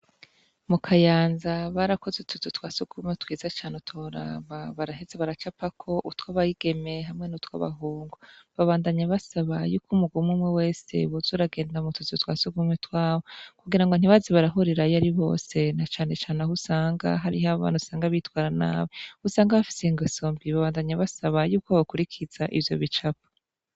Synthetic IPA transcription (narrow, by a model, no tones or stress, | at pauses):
mukʰajaːnzaβaɾakʰozutʰuzutwaːsuɡ̥umetwiːzat͡ʃaːnetʰoɾa̰βaβaɾaɦezeβaɾat͡ʃapakʰo̞ʔutwaβajiɡ̥e̞me̞ɦamŋe̞nutwa̰βa̰ɦuːŋɡuβaβaːndaɲaβasaβajuːkumuɡumwumwewe̞se̞̰βozuɾaɡe̞ːndamutʰuzotwa̰ːsuɡumetwaːβokuɡiɾaŋɡo̞n̥iβaziβaɾaɦoɾeɾajaɾiβo̞̰ːse̞nat͡ʃaːne̞t͡ʃaːnehusaːŋɡa̰ɦaɾihaβa̰ːnhusaːŋɡaβitwaːɾana̰ːβehusaːŋɡaβafi̥seŋɡosombiβaβaːndaɲaβasaβajuːkoβakuɾikʰiz̥aʔivjo̰βit͡ʃapḁ